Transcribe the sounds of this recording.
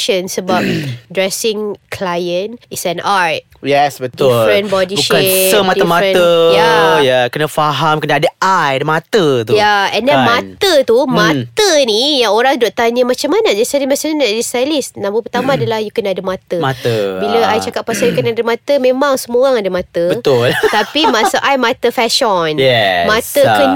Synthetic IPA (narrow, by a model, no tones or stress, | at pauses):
ʃənsəbap̚dɹɛsɪŋkʰlajənisɛnaɹt̪̚ | jɛsbət̪ulfɾɛnbɔdibuʃkasəmat̪əmatɛ̃əjajakənafaɦamkənaadəʔajadəmat̪ət̪ujaɛndɛnmat̪ət̪umãt̪ənijaoɾaŋdoʔt̪aɲəmat͡ʃamanad͡ʒaisadimasannadistajlisnãmbupərt̪amãːdalahjukənaadəmat̪əmat̪əbiləajt͡ʃakaʔ̚pasajukənadəmãt̪əmẽmaŋsəmoaŋadəmat̪əbət̪ʊlt̪apimasəʔajmat̪əfɛʃɔnjɛmãt̪əkəɲ